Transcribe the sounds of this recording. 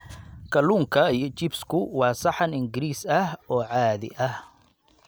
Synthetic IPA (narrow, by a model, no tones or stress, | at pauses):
kʰɐluːŋkʰɐjt͡ʃɪbskʰʊwɑːsɑħɑnɪŋɡɪɾiːsɐhɔːʕɑːðɪ̰ʔɐh